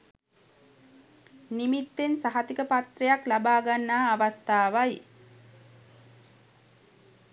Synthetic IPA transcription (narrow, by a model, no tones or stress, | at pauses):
nimit̪ːensaɦat̪ikəpat̪rejaklabaːɡanːaːʋast̪aːʋaj